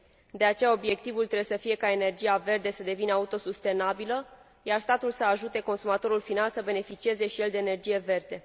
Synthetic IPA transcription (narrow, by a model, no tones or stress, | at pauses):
d̪e̞at͡ʃe̞jao̞bje̞k̚t̪ivult̪ɾebesəfije̞kae̞ne̞rd͡ʒijave̞rd̪e̞səd̪e̞vinəaut̪o̞sust̪e̞nabilə | jarst̪at̪ulsəaʒut̪e̞ko̞nsumat̪o̞ɾulfinalsəbe̞ne̞fit͡ʃie̞ze̞ʃije̞ld̪e̞ːne̞rd͡ʒije̞ve̞rd̪e̞